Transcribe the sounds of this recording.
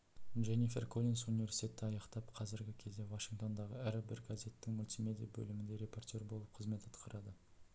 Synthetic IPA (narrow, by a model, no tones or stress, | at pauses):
ʒenife̞̰rkʰolʲinsunivʲe̞ɾsi̥t̪ʲet̪ːɪɑjɑqt̪ɑpqʰɑzɪɾɡʲɪkʲʰe̞zd̪e̞vaʃiŋk̚t̪o̞nd̪ɑʁəæɾɪbɪɾɡaze̞t̪ːɪŋmʊlʲt̪ime̞d̪ijabɵ̰lɪmɪnd̪e̞ɾe̞po̞rt̪ʲo̞ɾbo̞lˠəp̚qʰəzme̞t̪ɑt̪qəɾɑd̪ə